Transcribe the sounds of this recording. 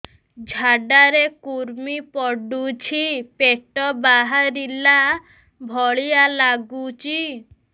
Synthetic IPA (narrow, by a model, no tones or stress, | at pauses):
d͡ʒʱaɖaɾekuɾmipɔɖut͡ʃʰipeʈɔbaɦaɾila | bʱɔɭijalaɡut͡ʃʰi